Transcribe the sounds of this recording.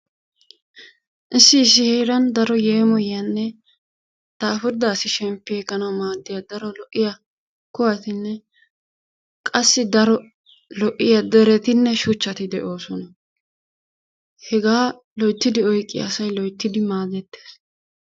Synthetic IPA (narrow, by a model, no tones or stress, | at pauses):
ʔɪsːɪːs̬ːɪheːɾɐnd̪ɐɾɔje̞ːmɔjjɐnːɛ | t̪aːfɪɾd̪aːsɪʃɛmpːɪeːkʼːɐnɐwmaːd̪ːɪjɐd̪ɐɾɔlɔʔːɪjɐ | kʊwɐt̪ɪnːɛ | kʼɐsːɪd̪ɐɾɔ | lɔʔɪjɐd̪ɛɾɛt̪ɪnːɛʃʊt͡ʃːɐt̪ɪd̪ɛʔo̞ːsɔnɐ | hɛɡaː | lɔjt̪ːɪd̪ɪɔjkʼːɪj̰ɐsɐjlɔjt̪ːɪd̪ɪmaːd̪ɛt̪ːe̥ːs